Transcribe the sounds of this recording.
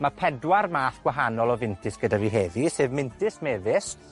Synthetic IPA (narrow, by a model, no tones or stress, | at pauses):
mapʰɛdwarmaːθɡ̥waɦanɔlˠɔvɪntʰɨsɡ̥ədaviɦeðisɨːvmɪntʰɨsmeːðɪs